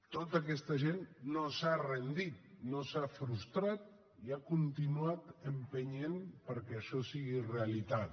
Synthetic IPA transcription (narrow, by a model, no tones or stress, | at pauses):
t̪ot̪aːkɛst̪əʒenːosarend̪it̪̚nosafɾust̪ɾat̪̚ | iakunt̪inuat̪əmpəɲenpəɾkɛəʃɔsiɣireəlit̪at̪